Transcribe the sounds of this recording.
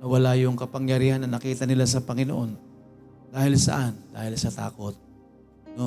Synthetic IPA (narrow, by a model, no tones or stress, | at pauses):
nɐwɐlajʊŋkɐpɐŋjɐɾiːhanːɐnɐkiːt̪ɐnɪlas̬ɐpɐŋɪnoʔo̞n | d̪̥aːhɪlsɐ̰ʔand̪a̰ːhɪlsɐt̪a̰ːko̞t̪̚ | no